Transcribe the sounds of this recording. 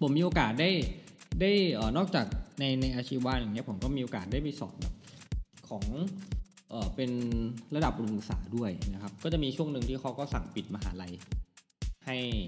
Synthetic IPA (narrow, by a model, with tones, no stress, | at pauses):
pʰo˩˦miː˧ʔoː˧kaː˨˩t̪̚daː˥˩jdaː˥˩jʔəː˨˩nɔː˥˩k̚t͡ɕaː˨˩k̚na˧jna˧jʔaː˧t͡ɕʰiː˥˩waː˦˥˩n˨a˨˩ŋni˦˥ɐ˩pʰo˩˦mkɔː˥˩miː˧ʔoː˧kaː˨˩t̪̚daː˥˩jpa˧jsɔ̰ː˨˩˦t̪̚bɛ̰ː˨˩p̚kʰɔː˩˦ŋ | ʔəː˨˩pe˧nla˧da˨˩p̚ɾo˧ŋsa̰ː˩˦du˥˩əjna˦˥kʰa˦˥p̚kɔː˥˩t͡ɕa˨˩miː˧t͡ɕʰu˥˩əŋnɯ˨˧ŋt̪ʰiː˥˩a˦˥wkɔː˥˩sa˨˩ŋpi˨˩t̪̚ma˧ɦa̰ː˩˦la˧j | ha˥˩j